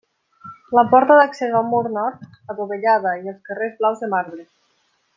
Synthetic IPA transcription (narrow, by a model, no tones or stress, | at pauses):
ləpɔɾt̪aðaksezalmuɾnɔɾt̪ | atuβeʎað̞əielˠskərezβlawzðemaɾβɾe